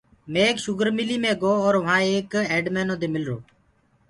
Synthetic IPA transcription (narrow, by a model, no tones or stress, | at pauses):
mẽːeːkʃʊɡəɾmɪliːmẽːɡoːɔːɾʋɦãːeːkeːɖmeːnõːd̪eːmɪlɾo̰ː